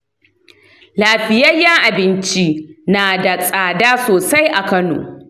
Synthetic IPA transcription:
laː˨ɸɪ˨jɐ˦jːɐ˦ŋʔa˨bɪ˦nt͡ʃi˦naː˨da˨sʼaː˨daː˦soː˨sa˦jʔa˨kɐ˦no̰ː˨

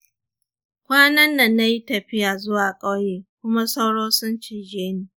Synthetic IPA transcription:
kʷaː˦nɐ˦nːɐ˨nːa˦ji˦tɐ˨ɸɪ˦jaː˨zʊ˦waː˨kʼa˦wjeː˦kʷʊ˦ma˦sa˦wɽoː˦sʊ˦nt͡ʃiː˨d͡ʒeː˦niː˨

